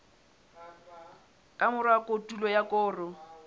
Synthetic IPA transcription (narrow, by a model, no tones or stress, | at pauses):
kʼamʊɾwakʼotʼulɔjakʼɔːrɔ